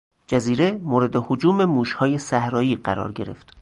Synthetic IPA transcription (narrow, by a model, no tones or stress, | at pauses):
d͡ʒæziːɾe̞moːɾe̞d̪ehod͡ʒuːme̞muːʃhɒːje̞sæhɾɒːjiːɢæɾɒ̰ːɾɟe̞ɾe̞̰ft̪